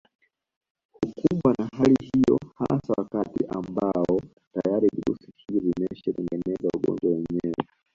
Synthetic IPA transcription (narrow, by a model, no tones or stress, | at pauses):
hukuɓwanaɦalihijɔ̰hasawakatiʔambaɔ | tajaɾiviɾṵsi̥hivivimɛʃɛtɛŋɡɛnɛzauɡɔ̰ɲd͡ʒwawɛɲɛwɛ